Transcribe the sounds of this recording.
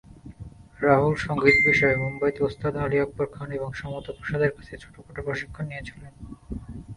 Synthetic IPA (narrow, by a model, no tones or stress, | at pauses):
ɾaɦulʃɔŋɡit̪biʃɔemumbajt̪iost̪ʰad̪ɦaɾiak̚poɾkʰaneboŋʃɔmot̪opɾoʃad̪eɾkḁt͡ɕʰet͡ɕʰo̥ʈokoʈopɾoʃikʰːanːijet͡ɕʰi̥len